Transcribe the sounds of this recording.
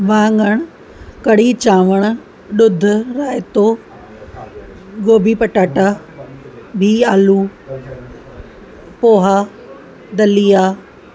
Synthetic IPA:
ʋãːŋɡəɽ̃ʊ | kɐɽit͡ɕãːʋəɽ̃ʊ | ɗʊd̪ʱʊ̆ɾaːet̪oː | ɡoːbʱipɐʈaːʈa | bʱiːaːluː | poːɦaː | d̪ɐliːjaː

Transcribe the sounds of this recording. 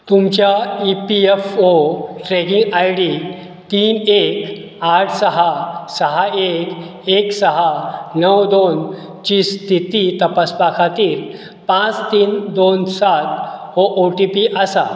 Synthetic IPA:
t̪umt͡ɕjaipiefoʈɾɛkĩŋɡajɽi | t̪iːnek | aʈʰsəɦasəɦaekeksəɦanəwd̪on | t͡ɕiːst̪ʰit̪it̪əpaspakʰat̪iːɾ | pãt͡st̪iːnd̪onsat̪̚ | oʔoʈipiʔəsa

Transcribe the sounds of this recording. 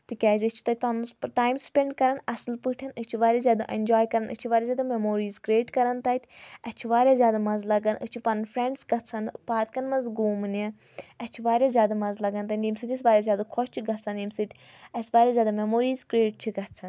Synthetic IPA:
t̪ɨkʲaːzʲɨt͡ʃʰi̥t̪ɐt̪̚ʰʲpɐnʈaːjmspʲeɳɖkɐɾɐnɐsɨlpɨʈʰɐnɨt͡ʃʰiʋaːɾʲjaːzʲjaːd̪aʔend͡ʒaːjkɐɾɐnʔɨ̰t͡ʃʰiʋaːɾʲaːzʲjaːd̪amemoːɾiːzkɾeːʈkɐɾɐnt̪ɐːt̪ʰʲɐt͡ʃʰiʋaːɾʲjaːzjaːd̪amɐzlɐɡɐnɨt͡ʃʰipɐnnpʰɾẽɳɖsɡɐt̪t͡sʰɐnpaːt̪kɐnmɐnzɡuːmɨni | ɐst͡ʃʰiʋaːɾʲaːzʲjaːd̪amɐzlɐɡɐnt̪ɐnimsɨd̪ʲis̬ʋaːɾʲjaːzʲjaːd̪akʰɔst͡ʃʰiɡɐsʰɐnimsɨt̪ʲʰ | ɐsʋaːɾjaːzʲaːd̪amemoːɾiːzkɾeːʈ̚t͡ʃʰiɡɐt͡sʰɐn

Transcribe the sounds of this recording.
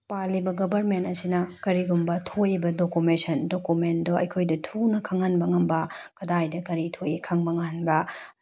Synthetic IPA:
palibɐɡɐbʱɐɾmentɐsinɐkɐɾiɡumbɐtʰojbɐdokumesɐndokumendoɐjkʰojdɐtʰunɐkʰaŋːanbɐŋɐmbɐkɐdajdɐkɐɾitʰojikʰaŋbɐŋanbɐ

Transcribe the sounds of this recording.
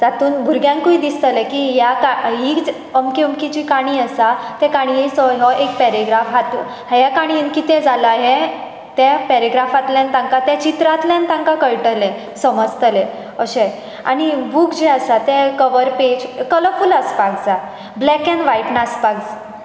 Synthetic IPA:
d͡zat̪uːnbʱuɾɡjãŋkuid̪ist̪əlekiɦjakaɦid͡z | əmkiəmkid͡ʑikaɽ̃iəsat̪ɛ̃kaɽ̃iisɔɦɔʔekpɛɾeɡɾafɦat̪u | hjakaɽ̃inkit̪ẽd͡zaləaɦe | t̪japɛɾeɡɾafat̪ljant̪ãŋkat̪jat͡ɕit̪ɾat̪ljãnt̪ãŋkakəɭʈəlẽ | səməd͡zt̪əle | əɕe | a̰ɽ̃ibuːkd͡ʑiasat̪ɛ̃kəʋəɾped͡ʑkələfulaspaɡd͡za | blɛkɛ̃nʋaiʈnaspaɡd͡z

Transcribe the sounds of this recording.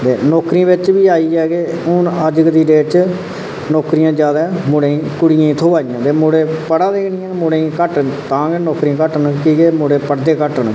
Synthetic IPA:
t̪eːnɔːkɾĩːʋɪt͡ʃbiːaːiːɛːɡeː | ʊnəd͡ʒɡd̪iːɖeːt͡ʃ | nɔːkɾijãːd͡ʒjaːd̪aːmʊɽẽːĩːkʊɽijãːĩːt̪ʰoːaːijãːt̪eːmoɽeːpəɽãːd̪eːkʰnɪ̃ːɛ̃ːmʊɽeːĩːkəʈət̪ãːɡenɔːkɾĩːkəʈənkiːɡeːmoɽeːpəɽd̪eːkəʈəɳ

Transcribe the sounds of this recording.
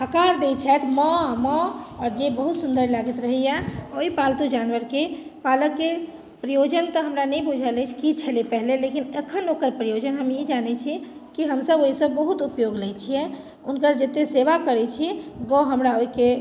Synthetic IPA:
əkaɾd̪et͡ʃʰɛt̪mɔ̃mɔ̃ɔːɾd͡ʒebəɦut̪sund̪əɾlaɡit̪ɾəɦɛjɛoipalt̪ud͡ʒanʋəɾkepaləke | pɾijod͡ʒənt̪ɔɦəmɾanɛjbud͡ʒʱalɛt͡ʃʰi̥kit͡ʃʰəlipəɦlelekinekʰənokəɾpɾijod͡ʒənɦəmed͡ʒanɛt͡ʃʰi | kiɦəmsəboɦisəbːəɦut̪upjoɡlɛjt͡ʃʰijɛ | unkəɾd͡ʒet̪eseʋakəɾɛt͡ʃʰiɡɔɦəmɾaoike

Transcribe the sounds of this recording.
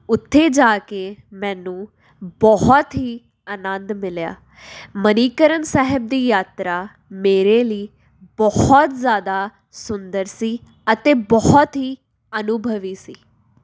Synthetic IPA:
ʊt̪ʰːeːd͡ʒaːkeːmɛ̃ːnũː | bɔɦɔt̪ɦiː | ənənd̪mɪlja̰ː | məniːkəɾənsɛɦəb̚d̪iːjaːt̪ɾaː | meːɾeːliː | bɔhɔt̪zjaːd̪aː | sʊnd̪əɾsiː | ət̪eːbɔɦɔt̪ɦiː | ənʊbʱəʋiːsiː

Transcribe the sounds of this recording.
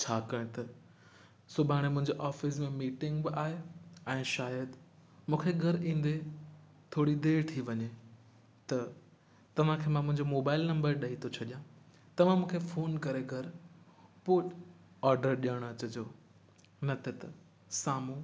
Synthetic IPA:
t͡ɕʰaːkɐ̃t̪ɐ | sʊbʱaːɽ̃emʊ̃ɦɪ̃ɲd͡ʑoʔɔːfɪsmẽmiːʈɪ̃ŋɡbɪaːɦeɛ̃ːʃaːjəd̪ | mũːkʰeɡʱɐɾĩːn̆d̪e | t̪ʰoːɽid̪eːɾt̪ʰiʋɐɲe | t̪ɐ | t̪ɐʋ̤ãkʰeːmãmʊ̃ɦɪ̃ɲd͡ʑomoːbaːɪlnɐ̃mbəɾɗɐɦit̪ʰot͡ɕʰɐɗijã | t̪ɐʋ̤ãmũːkʰefoːnkɐɾeɡʱɐɾ | pʊːʈ | ɔːɾɖəɾɗijəɽ̃ɐt͡ɕəd͡ʑoː | nɐt̪ʰet̪ɐ | saːmũ

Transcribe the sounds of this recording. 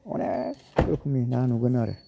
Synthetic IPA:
ṵne | kokuminanuɡənaɾḛ

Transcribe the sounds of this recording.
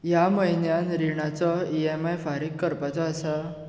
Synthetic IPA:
jaməɦinjanɾiɳ̃at͡sɔiemajfaɾiːkːəɾpat͡sɔːsa

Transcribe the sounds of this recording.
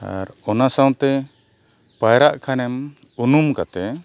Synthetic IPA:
a̰ɾɔnasaw̃t̪ɛ | pajɾaʔkʰanɛm | unumkat̪ɛ

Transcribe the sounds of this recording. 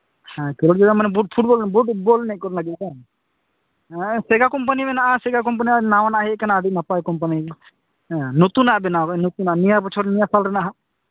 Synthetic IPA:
hãkɛloʈd͡ʒɔɡamanɛbuʈ̚pʰuʈ̚bɔlbuʈbolnɛkɔɾnlaɡɛt̪bɛ | sɛɡakɔmp̬animɛnaʔasɛɡak̬ɔmp̬aninawanaʔaɦɛkanaːd̪ʱik̚napajkɔmpanĩ | nut̪unaʔbɛnawanut̪unaʔnijapɔt͡ʃʰɔɾnijasalɾɛnaʔɦa

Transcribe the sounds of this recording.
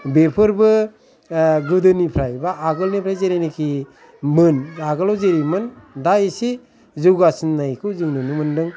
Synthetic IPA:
bepʰɯɾbɯ | ɡɯdɯnipʰɾajbaːɡɯlnipʰɾajzeɾajnikʰi | mɯnaɡɯlɔwzeɾimɯndaisi | zuɡasɯnːajkʰɯwzɯŋnɯnɯmɯndɯŋ

